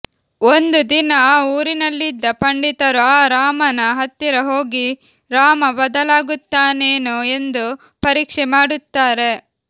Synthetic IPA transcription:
ond̪ud̪inɐːuːɾinɐlːid̪ːɐpɐɳɖit̪ɐɾuaːɾaːmɐnɐɦɐt̪ːiɾɐɦoːɡi | ɾaːmɐbɐd̪ɐlaːɡut̪ːaːneːnue̞nd̪u | pɐɾiːkʂɛmaːɽut̪ːaːɾe̞

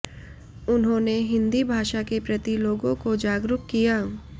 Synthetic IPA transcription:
ʊnɦõːneɦɪ̃nd̪ibʱaːʃakepɾɐt̪iloːɡõkod͡ʒaːɡɾʊkkːijaː

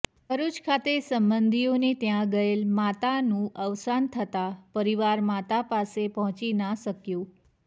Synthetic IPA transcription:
bʱəɾut͡ʃkʰat̪esəmbənd̪ʱionit̪jãɡəelmat̪anũʔəʋsant̪ʰət̪apəɾiʋaɾmat̪apasepəɦɔ̃t͡ʃinəsəkjũ

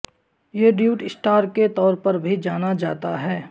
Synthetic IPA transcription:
jeɖjuːʈɪsʈaːɾket̪ɔːɾpɐɾbʱid͡ʒaːnad͡ʒa̰ːt̪aɦɛː

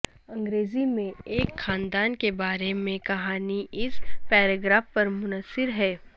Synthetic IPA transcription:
ɐ̃ŋɡɾeːzimẽeːkxaːnd̪aːnkebaːɾemẽkɐɦaːniʔɪspɛːɾaɡɾaːfpɐɾmʊnəsːɪɾɦɛː

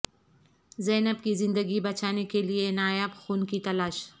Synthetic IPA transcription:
zɛːnəbkizɪ̃nd̪əɡibɐt͡ʃaːnekelienaːjəbxuːnkit̪ɐlaːʃ

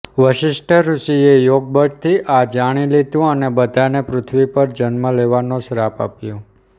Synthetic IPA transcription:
ʋəʃɪʃʈʰəɾuʃiejoɡ̚bəɖt̪ʰiʔad͡ʒaɽ̃ilid̪ũənebəd̪ʱanepɾʊt̪ʰʋipəɾd͡ʒənməleʋanõʃɾapa̰pjõ

